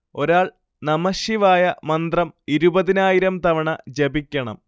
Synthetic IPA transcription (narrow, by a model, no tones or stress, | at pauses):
o̞ɾaːɭ | nɐmɐɕiʋaːjɐmɐnd̪rɐmiɾubɐðinaːjiɾɐmt̪ɐʋɐɳɐd͡ʑebikʲːɐɳɐ̰m